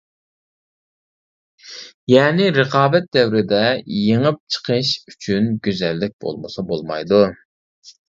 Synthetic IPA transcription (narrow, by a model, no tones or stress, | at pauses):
jɛːnɪɾəqɑːbɛt̪̚d̪ɛwɾɪd̪ɛjeŋəp̚t͡ʃʰə̥qʰəʃyt͡ʃʰynɡʲøzɛlːɪk̚ʲbo̰lˠmɨsɑbolˠmɑ̰jd̪u